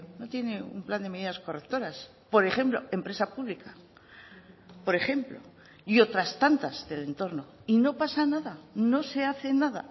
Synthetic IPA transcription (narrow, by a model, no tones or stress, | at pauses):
no̞t̪je̞ne̞ṵmpland̪eme̞ðiðasko̞rekt̪o̞ɾas | po̞ɾe̞χe̞mplo̞e̞mpɾe̞sapuβlika | po̞ɾe̞χe̞mplo̞̰ | io̞t̪ɾast̪ant̪azðe̞le̞nt̪o̞ɾno̞ino̞pasanaðano̞se̞aθe̞naða̰